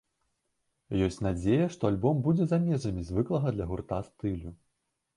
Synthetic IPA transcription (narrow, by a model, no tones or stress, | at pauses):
jɔsʲt͡sʲnad͡zʲejɐʂt̪ɔalʲbɔmbud͡zʲɛzamʲɛzɐmʲizʲvɨklˠɐɣɐd̪lʲɐɣurt̪ast̪ɨlʲu